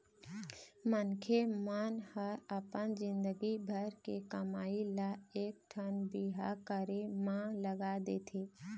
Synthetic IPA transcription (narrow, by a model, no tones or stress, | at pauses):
mənkʰemanhəɾəpənd͡ʒɪ̃nd̪əɡibʱəɾkekəmaːilaeːk̚ʈʰənbiɦakəɾemãləɡad̪et̪ʰeː